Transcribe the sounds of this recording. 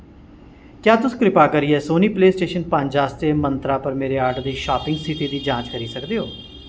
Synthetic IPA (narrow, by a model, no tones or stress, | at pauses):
kjaːt̪ʊskɾɪpaːkəɾiːɛːsoːniːpleːsʈeːʃənpəɲd͡ʒaːst̪eːmənt̪ɾaːpəɾmeːɾeːaːɾɖd̪iːʃaːpɪ̃ŋɡsiʈiːd̪iːd͡ʒãːt͡ʃkəɾiːsəkd̪eːɦoː